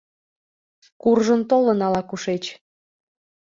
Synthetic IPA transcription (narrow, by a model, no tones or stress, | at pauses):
kurʒənt̪olənɑlɑkuʃet͡ɕ